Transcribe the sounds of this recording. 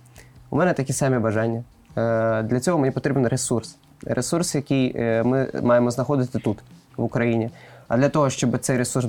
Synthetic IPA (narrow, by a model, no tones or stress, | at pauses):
ṵmɛnɛt̪ɐkʲisɑmʲibɐʒɑnʲːɐ | d̪lʲɐt͡sʲɔɦɔmenʲipɔt̪ɾʲibnɾesurs | ɾʔesursjɐkʲijmɪmɑjemɔznɐxɔd̪ɪt̪ɪt̪ut̪ʋʊkɾɐjinʲiɐd̪lʲɐt̪ɔɦɔʃt͡ʃɔbɨt̪sɛjɾesuɾs